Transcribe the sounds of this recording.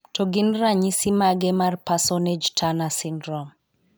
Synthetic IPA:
tɔɡinraɲisimaɡɛmarpasɔned͡ʒtʰanasindɾɔm

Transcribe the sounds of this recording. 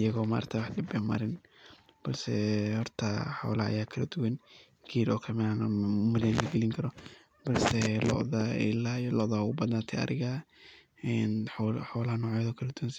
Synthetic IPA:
ɪjɐɣɔːma̰ːrt̪ʰɐwɑħd̪ɪbɛmɐ̰ɾɪn | b̥ɐlsɛhɔrt̪ʰɐħɔ̰ːlɐɐ̰jaːkʰɐlɐd̪ʊwɐn | kʰiːɾɔːkʰɐmɪanmʊðɛnlɐɡɛlɪŋkʰɐɾɔ | b̥ɐlsɛlɔ̰ʔðɐɪlaːlɔʔðɐhʊbɐðnaːt̪ʰɛɐ̰ɾɪɣa | ɛnħħɔːlɐhɐnɔːʕjɐðɔːkʰɐlɐd̪ʊwɐns

